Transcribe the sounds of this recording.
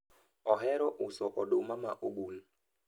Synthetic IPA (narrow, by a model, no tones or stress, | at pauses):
ɔɦɛɾɔʔusɔʔɔɗomama̰ʔoɓun